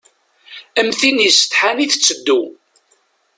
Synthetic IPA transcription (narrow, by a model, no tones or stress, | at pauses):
əmθinjəsə̥t̪ħaniθə̥t͡sːəd̪ːu